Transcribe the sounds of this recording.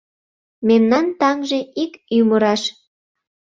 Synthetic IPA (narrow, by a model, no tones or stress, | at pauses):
memnɑnt̪ɑŋʒeʔikyməɾɑʃ